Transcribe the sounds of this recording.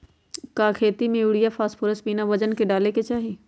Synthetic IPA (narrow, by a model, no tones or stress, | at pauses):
kaːkʰeːt̪imẽʊɽijapʰaːspʰʊɾəspiːnaʋɐd͡ʒənkeɖaːleket͡ʃaːɦi